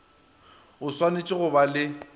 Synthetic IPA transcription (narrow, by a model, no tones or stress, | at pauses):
ʊswanet͡ʃʼɪɣʊbalɪ